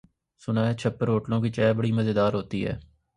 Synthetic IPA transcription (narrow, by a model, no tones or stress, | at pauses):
sʊnaːɛt͡ʃʰəpːəɾɦoːʈlõːk̬it͡ʃɛːbəɽiːməzeːd̪aːɾɦoːt̪ḭːɦɛ̰ː